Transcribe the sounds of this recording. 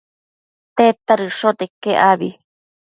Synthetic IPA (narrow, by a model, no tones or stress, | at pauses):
t̪et̪aɾɨʂot̪ekeʔaβi